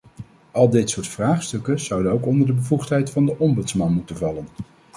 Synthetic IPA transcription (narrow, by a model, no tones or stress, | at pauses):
ɑlˠdɪtsʊːɹtfraːχstɵkəz̥ʌwdənowkɔndəɹdəbəvuχtɦɛjtfɑndəʔɔmbɵtsmɑnmutənvɑlən